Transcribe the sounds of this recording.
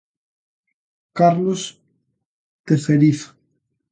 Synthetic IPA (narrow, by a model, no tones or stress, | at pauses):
kaɾlos | t̪eθeɾiθḁ